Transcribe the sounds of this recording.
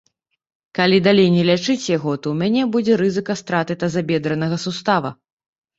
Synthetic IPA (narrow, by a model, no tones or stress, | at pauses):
kalʲid̪alʲejnʲɛlʲat͡ʂɨt͡sʲjaɣɔt̪ɔwmʲanʲɛbud͡zʲɛɾɨzɨkɐst̪ɾat̪ɨt̪ɐzabʲɛd̪ɾɐnɐɣɐsust̪avɐ̰